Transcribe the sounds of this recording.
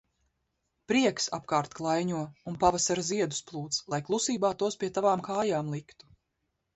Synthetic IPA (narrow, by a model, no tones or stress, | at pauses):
pɾiɛksa̰pkaːɾt̪klˠajɲuɔunpavasaɾaziɛd̪u̥splˠuːt̪slˠajklˠusiːbaːt̪uɔspʲiɛt̪avaːmkaːjaːmlˠikt̪u̥